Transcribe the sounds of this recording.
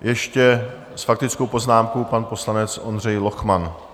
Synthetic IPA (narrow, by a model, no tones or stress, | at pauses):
jɛʃcɛ | sfak̚t̪ɪt͡sko̞wpo̞znaːmkopanpo̞slanɛt͡sʔo̞ndr̝ɛjlo̞xman